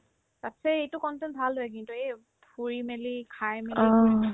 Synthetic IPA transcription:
tatsɛejtʊkɔntɛnbʱalɦojkintuej | puɹimelikʰajmelɔi

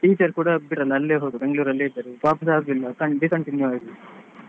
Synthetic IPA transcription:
ʈiːt͡ʃɐɾkuːɽɐbiʈɾɐlːɐːlːeːɦoːd̪ubeŋɡɭuːɾɐlːeːb̪ɐɾupaːpisaːd̪ilːɐkɐbikɐɳʈinjuaːi

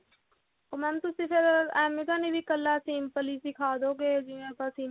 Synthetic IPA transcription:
omɛ̃mt̪usĩpʰɪɾɛːmit̪anibʱikəlːasiːmpəliːsikʰaːd̪oːɡeːd͡ʒiʋẽpasiː

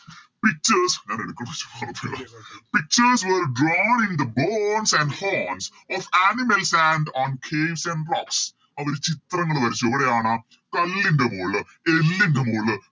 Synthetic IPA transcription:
pik̚t͡ʃɐɾsɲaːneɽukːɐɳɐʋɐt͡ɕːɐ̥paːrɐpːelaːpik̚t͡ʃɐɾsʋəɾɖɾɔːnind̪ɐboːnsɐ̃ɳɖhoːns | ɔːfæːnimɐlsæːɳɖɔːnkʰeːʋsɐ̃ɳɖblɔːks | ɐʋɐɾet͡ɕit̪rɐŋːɐɭʋɐɾit͡ɕːoʋɐɾeaːɳɐ | kɐlːiɳɖɐmoːɭɨ | elːiɳɖɐmuːɭ

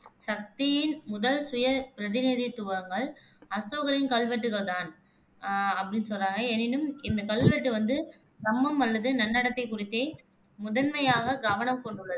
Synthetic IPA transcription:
sɐk̚t̪ɪjɪnmʊðɐlsʊjɐpɪɾɐðɪnɪðit̪ʊʋɐŋɡɐɭ | ɐsoːɣɐɾɪnkɐlʋɛʈːɯɣɐɭt̪aːn | ɐpːɐɽɪnːsɔlraːŋɡɐeːnɪnɯmɪnd̪ɐkɐlʋɛʈːɯʋɐnd̪ɯ | sɐmːɐmɐlːɐðɯnɐnːɐɽɐt̪ːɐɪkːʊrɪt̪ːeː | mʊðɐnmɐjaːɣɐɡɐʋɐnɐmkɔɳɖɯɭːɐðɯ

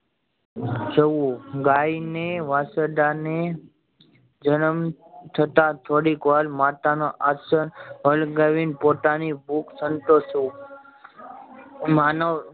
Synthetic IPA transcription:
t͡ʃəʋũɡaineʋasəd̪ane | d͡ʒənəm | t̪ʰət̪at̪ʰoɽikʋalmat̪anoʔasənɦəlɡəʋinpot̪anibʱuksənt̪osu | manə

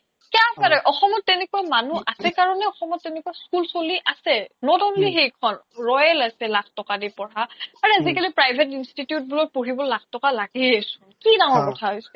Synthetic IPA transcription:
kapaɹɛʔɔxɔmɔtːɛnɛkuwamanuʔasɛkaɹɔnɛɔxɔmɔtːɛnɛkuwaskulsoliʔasɛnɔtɔblixejkʰɔnɹɔjɛlasɛlakʰtɔkadipɔɹaaɹɛazikalipɹajbʱɛtinstitijut̚bulɔk̚poɹibɔlakʰtɔkalaɡɛasʊnkidaŋ̃ɔɹkɔtʰaɦojsɛ

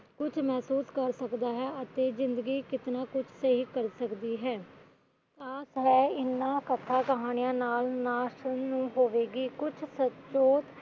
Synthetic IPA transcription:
kʊt͡ʃʰmɛːsuːskəɾsəkd̪aːɦɛːət̪eːzɪnd̪əɡiːkɪt̪naːkʊt͡ʃʰsəɦikəɾsəkd̪iːɦɛː | t̪aːsɦɛːɪnːãːkət̪ʰːaːkəɦaːnɪjãːnaːlnaːʃənːũːɦoːʋeːɡiːkʊt͡ʃʰsətt͡ʃoːt̪

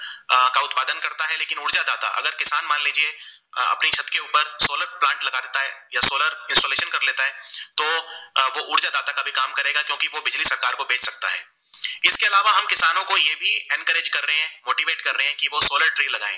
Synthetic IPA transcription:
kaʊt̪paːd̪ənkɐɾt̪aɦɛleːkɪnʊɾd͡ʒad̪aːt̪a̰ʔɐ̰ɡəɾkɪsaːnmaːnliːd͡ʒie | ɐ̰pniʃʰɐt̪keuːpəɾsoːləɾplãːɳʈlɐɡad̪eːt̪aɦɛjasoːləɾɪ̃nsoːleːʃənkɐɾleːt̪aɦɛːt̪oːʋoʔʊɾd͡ʒad̪aːt̪akabʱikaːmkɐɾeːɡakjõːkiʋobɪd͡ʒlisɐɾkaːɾkobʱeːt͡ʃʰsɐk̚t̪a̰ɦɛ̰ː | ɪskeɐlaːʋaɦɐmkɪsaːnõkojeːbʱiɛ̃nkəɾeːd͡ʒkɐɾːəɦeɦɛ̃moːʈiʋeːʈkɐɾːəɦeɦɛ̃kiʋosoːləɾʈɾilɐɡa̰ːḛ̃ː

